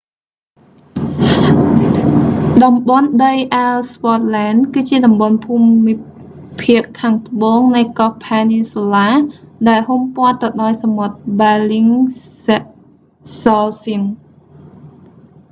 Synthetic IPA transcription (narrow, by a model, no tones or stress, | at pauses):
ɗɑmɓonɗəjʔalspɑt̪̚laːnkɨːt͡ɕiəɗɑmɓonpʰuːmːi | pʰiəʔkʰːaːŋt̪ə̆ɓoːŋnɨjkɔpʰaːniselaːɗaɛlhumpŏət̪ːɨɗaɔjsamot̪̚ɓɛliŋsʔ | sɔlsin